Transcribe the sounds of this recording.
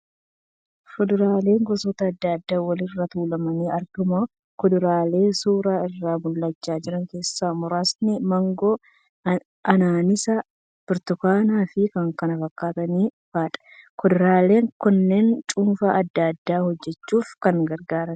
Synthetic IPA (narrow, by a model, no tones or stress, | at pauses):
fʊd̪ʊɾaːle̞ːŋɡɔsɔːt̪ɐːd̪ːɐd̪ːaːwɐlɪrːɐt̪uːlɐmɐniːɐɾd̪ʊmɐ | kɔd̪ʊɾaːle̞ːsuːɾaːɪrːaːmʊlːɐt͡ʃːaːd͡ʒɪɾɐŋke̞ːsːaːmʊɾaːsnɪmɐŋɡɔ | ʔɐnaːnɪsɐ | b̥ɪɾt̪ʊkaːnaːfɪkɐŋkɐnɐfɐkːaːt̪ɐniːfaːᶑɐ̥kɔd̪ʊɾaːle̞ːŋkʊnːeːnt͡ʃʼuːnfɐʔɐd̪ːad̪ːaːhɔd͡ʒːɛt͡ʃːuːfkɐŋɡɐɾɡaːɾɐn